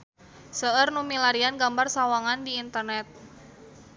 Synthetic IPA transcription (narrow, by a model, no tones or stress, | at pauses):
səərnumilaɾianɡambarsawaŋandiːnt̪ərnɛt̪̚